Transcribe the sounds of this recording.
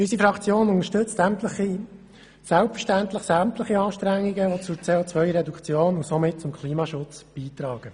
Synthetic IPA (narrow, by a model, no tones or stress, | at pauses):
ysifɾɑkt͡sjoːnʊŋəʃtɵt͡stæmtləχi | sælpfəʃtænt̪ləχsæmt̪ləχiɑːʃtɾæŋːiɡəʋot͡sʊɾt͡seːot͡sʋœʏɾɛdukʰt͡sjoːnʊsomɪt̚t͡sʊmkʰliːmɑʃʊt͡sb̥iːt̪ɾɑːɡ̥ə